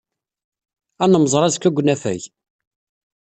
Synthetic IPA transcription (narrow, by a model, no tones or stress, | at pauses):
ænəməzˤɾˤɑzkːæɡʷnæfæ̰ʝ